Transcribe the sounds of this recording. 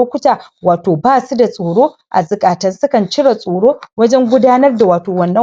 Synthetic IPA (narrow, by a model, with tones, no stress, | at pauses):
oː˦kʷʊ˦taː˨waː˨toː˨baː˦su˦da˨sʼoː˨ɽoː˦ | ʔa̰˨zʊ˨kʼaː˨tɐ˦nsʊ˦kɐ˨nt͡ʃɪ˦ɽa˨sʼoː˨ɽoː˦wɐ˦d͡ʒɛ˦ŋɡʷʊ˦daː˦nɐ˦rda˨waː˨toː˨wɐ˨nːɐ˦